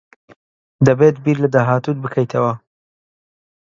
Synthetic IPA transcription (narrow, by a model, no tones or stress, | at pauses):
d̪ɐbet̪biːɾlɐd̪aːɦaːt̪ud̪bɨkʰɐjt̪ʰɐwɐ